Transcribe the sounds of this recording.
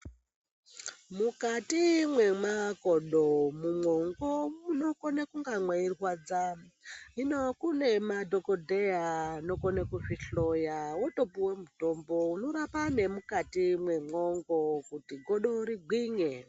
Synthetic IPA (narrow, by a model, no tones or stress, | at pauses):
mukatimwe̞makoɗomumoŋɡomuno̞konekuŋɡaŋwairwad͡za | inokune̞madʱokodʱeaːno̞konekufiɬo̞jawotopiwe̞muto̞ːmbo̞uno̞ɾapane̞mukatimwe̞moŋɡo̞kutiɡʱoɗoɾiɡʱwiɲe